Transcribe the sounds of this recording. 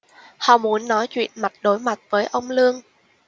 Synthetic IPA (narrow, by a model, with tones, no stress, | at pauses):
hɔ̰˧˨mu˨˦ənːɔ˨˦jt͡ɕwḭ˧˨ənma˨˩t̚ɗo˨˦jma˨˩t̚v̥əː˨˦jʔə˧wŋ͡mlɨ˧əŋ